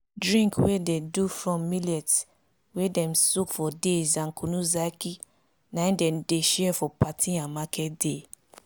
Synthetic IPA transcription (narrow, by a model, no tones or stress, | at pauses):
dɹĩŋkwededufɹɔ̃mːilɛts | wedɛ̃msukfɔdezãnkʰunuzaki | nãĩndɛ̃mdeʃɛfɔpatĩãmakʰɛt̚de